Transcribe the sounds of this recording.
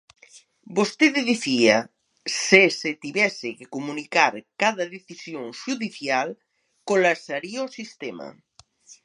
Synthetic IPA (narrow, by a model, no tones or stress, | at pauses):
bost̪eðeðiθia | seset̪iβjɛsekekomunikaɾkaðaðeθisjoŋʃuðiθjal | kolasaɾiosist̪ema̰